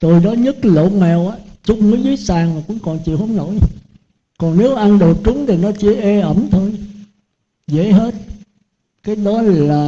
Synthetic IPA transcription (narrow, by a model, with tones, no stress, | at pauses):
t̪o˨˩jnɔ˨˦ɲə˦˥t̚lo̰˧˨mɛ˨˩wʔaː˨˦t͡ɕʊ˨˧˦ŋ͡məː˨˦jzɨ˨˦jsaː˨˩ŋmaː˨˩kʊ̰˧˥ŋ͡mkɔ˨˩nt͡ɕḭ˧˨whə˨˦ŋ͡mno̰˧˥˨j | kɔ˨˩nne˨˦wʔa˧nɗo˨˩t͡ɕʊ˨˦ŋ͡mt̪ʰi˨˩nɔ˨˦t͡ɕi˧˨˦ʔe˧ʔə˧˩mt̪ʰo˧j | zḛ˧˥˦ɦe˦˥t̚ | kaː˨˦jɗɔ˨˦laː˨˩